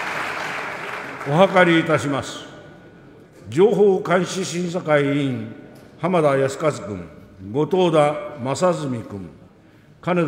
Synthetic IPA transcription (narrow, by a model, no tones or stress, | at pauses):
o̞ɦakaɾʲiːt̪aɕimasɨ̥ | d͡ʑo̞ːɦoːkãɰ̃ɕiɕĩɰ̃sakaiĩɴ | hamad̪ajasɨ̥kazɨkɯ̟̰̃ŋɡo̞t̪o̞ːd̪amasazɨmʲikɯ̟̰̃ŋ | kane